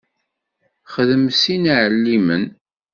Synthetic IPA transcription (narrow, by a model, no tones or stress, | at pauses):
χəðəmsinʕəlːimən